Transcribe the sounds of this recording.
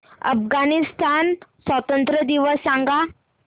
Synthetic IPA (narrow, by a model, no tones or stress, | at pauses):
ə̰fɡanist̪ʰansʋət̪ənt̪ɾəd̪iʋəsːãŋɡa